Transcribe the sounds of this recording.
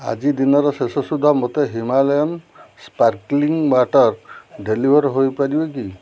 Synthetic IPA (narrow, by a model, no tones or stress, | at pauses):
a̰d͡ʒid̪inɔɾɔsesɔsud̪ʱamɔt̪eɦimalɔjɔmspaɾkliŋbaʈɔɾɖelibʱɔɾɦojpadibɔki